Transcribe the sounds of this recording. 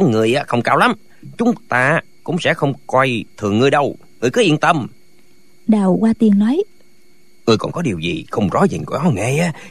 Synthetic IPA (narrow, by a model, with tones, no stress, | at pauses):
ŋɨ˨˩əjʔaː˨˦˥xə˧wŋ͡mkaː˧wla˨˦m | t͡ɕʊ˨˦ŋ͡mt̪aː˧ | kʊ̰˧˥ŋ͡msɛ̰˧˥xə˧wŋ͡mkwɔ˧jt̪ʰɨ˨˩əŋːɨ˧əjɗə˧w | ŋɨ˨˧əjkɔ˨˦ʔḭ˧˨ənt̪ə˧˩m | ɗaː˨˩wkwaː˧t̪i˨˩ənnɔ˨˦j | ŋɨ˧əjkɔ̰˨˩nkɔ˨˦ɗi˨˩əwzḭ˨˩xə˧wŋ͡mzɔ˨˦zï˨˩ku˧˩nɔ˨˦ŋa˧˩jʔaː˨˦